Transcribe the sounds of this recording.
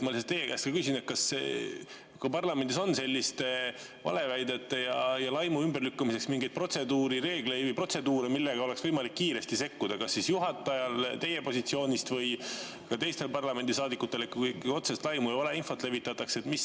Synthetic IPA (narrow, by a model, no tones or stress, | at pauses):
mɑliset̪ejekæ̰ːst̪kɑkysʲine̞t̪̚kɑse | kɑpɑrlɑme̞nd̪ʲiso̞nse̞lʲːist̪ | vɑ̰le̞væjd̪e̞t̪ˑːejɑjɑlɑjmuymberlykːumise̞ksmiŋɡe̞jd̪̥̚pro̞t̪se̞d̪uːɾiɾe̞ːɡ̥le̞jvəjpro̞t̪se̞d̪uːɾemilːeɡ̥ɑo̞le̞ksvɤjmɑlikːiːɾe̞st̪ise̞kːud̪̥ɑkɑsːisjuɦɑt̪ːˑɑjɑlt̪e̞je̞po̞sʲit̪sio̞ːnʲist̪vɤj | kɑt̪e̞jst̪e̞lpɑrlɑme̞nd̪isɑːd̪ikːˑut̪ːˑe̞lekuko̞t̪sest̪lɑjmujɑvɑle̞info̞t̪ːˑle̞vit̪ːˑɑt̪ːˑɑkse̞t̪mis